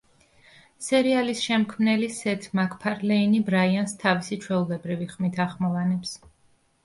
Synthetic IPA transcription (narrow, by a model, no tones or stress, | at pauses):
sɛɾialisʃɛmkʰmnɛlisɛt̪ʰmakʰpʰaɾlɛinibɾaianst̪ʰavisit͡ʃʰwɛulɛbɾiviχmit̪ʰaχmɔvanɛps